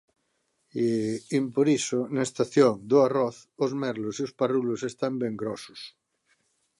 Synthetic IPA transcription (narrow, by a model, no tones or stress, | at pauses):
impoɾisonaest̪aθjoŋd̪oarɔθozmɛɾlosiosparulosest̪ambeŋɡɾɔsos